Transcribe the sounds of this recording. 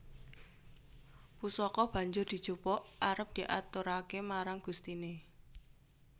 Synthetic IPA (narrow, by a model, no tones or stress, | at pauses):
pusɔkɔb̥ä̤ɲd͡ʒʊrd̪̥i̤̥t͡ʃupɔʔaɾəp̚d̪̥i̤ʔa̰t̪uɾakemaɾaŋɡ̥ust̪ine